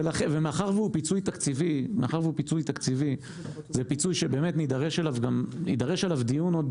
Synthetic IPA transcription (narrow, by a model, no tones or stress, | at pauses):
velaχevemeaχaʁvupit͡sujt̪akt͡sivimeaχaʁveupit͡sujt̪akt͡sivi | zepit͡sujʃebe̞ːmet̪nid̪aʁeʃelavɡamnid̪aʁe̞ʃelavd̪ijunod